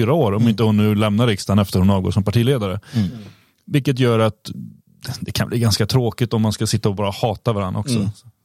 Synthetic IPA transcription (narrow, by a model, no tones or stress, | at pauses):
yːɾaoːɾɔmɪnt̪əhʊnːʉ̟ːlɛmnaɾɪkst̪anɛft̪əɾhʊnɑːvɡo̰ːʂɔmpaʈʰiːleːd̪aɾə | vɪlkːət̪̬jœːɾat̪ | d̪ɛkʰa̰nbliːɡanskat̪ʰɾoːkɪt̪ɔmːanskasɪt̪ːaɔbɑːɾahɑːt̪avaɾanːɔ̰ksɔ̰s